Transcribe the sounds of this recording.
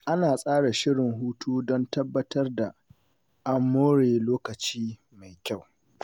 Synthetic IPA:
ʔa˦naː˨sʼaː˦ɽa˨ʃɪ˦ɽɪ˨ŋɦuː˦tʰoː˦dɔ˦ntɐ˦bːɐ˦tɐ˦rda˨ | ʔa˦mːoː˦ɽeː˨loː˦kɐ˨t͡ʃiː˦ | ma˨jkʲa˦˨w

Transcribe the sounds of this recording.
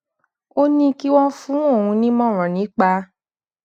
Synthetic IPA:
o˦nĩ˦ki˦w̃ɔ̃˦fũ˨˦o˦˨hũ˧nĩ˦mɔ̃˦˨ɾ̃ɔ̃˨nĩ˨˦k͡pa˧

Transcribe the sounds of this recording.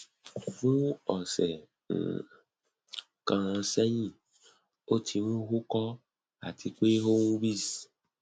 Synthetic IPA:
vũ˦ɔ˨sɛ̰˨ | ŋ̩̰˨ | kã˨ɾ̃ã˧sɛ˦ɲĩ˦˨ | o˦tʰi˧nũ˦ɦu˦kɔ˦ | a̰˨tʰi˨k͡pe˦ɦo˦ŋũ˦bi˦˨s

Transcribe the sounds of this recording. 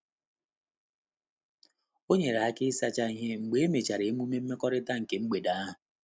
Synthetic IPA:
o˦ɲe˨ɾa˨a˦kɪ˦sa˦t͡ʃa˦i˦ɦe˦ŋ͡m̩˨ɡ͡be˨e˦me˨t͡ʃa˨ɾe˨e˦mu˦me˦m̩˦me˦kɔ˦ɾɪ˦ta˦ŋ̩˨ke˨ŋ͡m̩˦ɡ͡be˨da˨˦a˦ɦʊ˨

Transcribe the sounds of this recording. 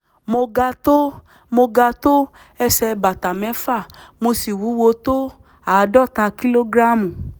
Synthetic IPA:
mo˧ɡa˧to˦ | mo˧ɡa˧to˦ | ɛ˧sɛ˧ba˨ta˨mɛ̃˨˦fa˦˨mo˧si˨wu˨˦wo˧to˦ | a˨˦˧dɔ˦˨ta˧ki˦lo˦ɡɾa˦mu˨

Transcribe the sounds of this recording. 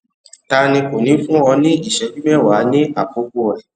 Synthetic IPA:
ta˧nĩ˧ko˨nĩ˨˦fũ˦ɔ˧nĩ˦i˦˨ʃɛ˨˧˦d͡ʒĩ˦mɛ˦˨wa˨˦nĩ˦ʔa˨ko˨˦ɡo˦ɔ˨ɾɛ˨

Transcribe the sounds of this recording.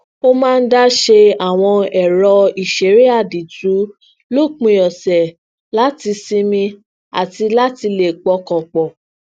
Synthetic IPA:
o˦mãː˦˧n̩˦da˦ʃe˧a˨w̃ɔ̃˧ɛ˨ɾɔ˧i˨ʃe˨˦ɾi˦a˦˨di˨tu˨˦ | lo˦˨k͡pũ˧jɔ˨sɛ˨ | la˦ti˧sĩ˦mĩ˧ | a̰˨ti˧la˦ti˧le˨k͡pɔ˧kɔ̃˨k͡pɔ˨

